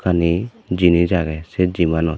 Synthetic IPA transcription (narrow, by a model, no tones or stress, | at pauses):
kʰani | d͡ʒinid͡ʒaɡɛsed͡ʒimanɔ